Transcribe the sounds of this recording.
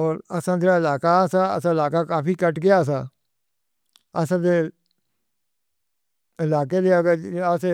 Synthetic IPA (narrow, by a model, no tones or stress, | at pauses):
oːɾəsãːd̪eːɾaːɪlaːkaːsaːə̰sãːɪlaːkaːkaːpiːkəʈkeaːs̬ãː | əsãːd̪eː | ɪlaːkeːd̪eːəɡəəse